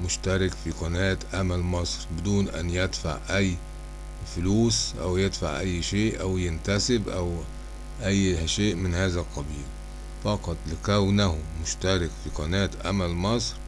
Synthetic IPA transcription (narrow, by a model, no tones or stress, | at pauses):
mʊʃt̪æɾˤɪkfiqɑnæːt̪ʔæmælmɑsˤɾbɪd̪uːnʔæ̰njɪd̪fa̰ʕʔæjː | fʊluːsʔa̰wjɪd̪fa̰ʕʔajːʃeːʔʔawjɪnt̪æsɪbʔaw | ʔæjːhaʃeːʔmɪnhaːzælqːɑbiːl | fɑqɑt̪ˤlɪkæwnahʊmʊʃt̪aɾˤɪkfiqɑnæːt̪ʔa̰mælmɑsˤɾ